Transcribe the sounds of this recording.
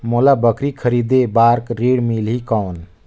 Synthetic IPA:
molabəkɾikʰəɾid̪ebaɾkɾiɽmilɦikɔːn

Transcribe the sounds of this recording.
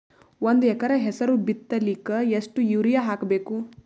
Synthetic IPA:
ond̪ɛkɐɾɐɦɛsɐɾubit̪ːɐlikːɐesʈujiːɾijaɦaːkɐbeːku

